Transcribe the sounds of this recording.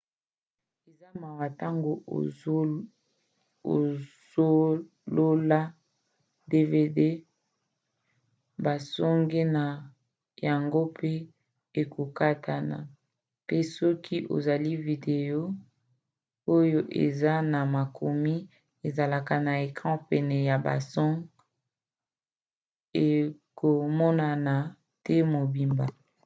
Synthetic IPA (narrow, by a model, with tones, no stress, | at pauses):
e˨za˦ma˨wa˨ta˦ŋɡo˨ | o˨ | zo˦ | lo˦la˦ | de˦ve˦de˦ | ba˨sɔ˦ŋɡe˦na˨ | ja˨ŋɡo˦pe˦ | e˨kʰo˨ka˦tʰa˨na̰˨ | pe˦sɔ˦kʰi˦ʔo̰˨za˨li˦vi˨de˨jo˦ | o˦jo˦ʔḛ˨za˦na˨ma˨kʰo˨mi˦ | e˨za˨la˨ka˨na˨e˨kʁãɑ̃˦pɛ˨nɛ˨ja˨ba̰˨sɔ˦ŋɡ | e˨ko˨mɔ˦na˨na˨ | tʰɛ˦mo˨bi˨mba˨